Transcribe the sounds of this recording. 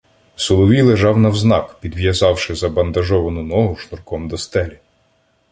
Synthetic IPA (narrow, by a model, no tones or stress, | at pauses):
sʊlˠɔʋʲilˠeʒɑwnɐwznɑkpʲid̪ʋʲjɐzɑwʃɪzɐbɐnd̪ɐʒɔʋɐnʊnɔɦʊʃnʊrkɔmd̪ɔst̪ɛlʲi